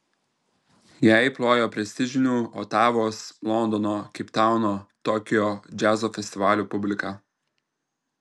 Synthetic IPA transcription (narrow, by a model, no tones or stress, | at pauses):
jæɪplˠoːjoːpʲɾʲɛsʲt̪ʲɪʒʲɪnʲuːɔːt̪ɑːʋoːslˠɔnd̪ɔnoːkʲɪpt̪ɑˑʊnoːt̪ɔkʲɪjoːd͡ʒʲæːzoːfʲɛsʲt̪ʲɪʋɑːlʲuːpʊbʲlʲɪkɑː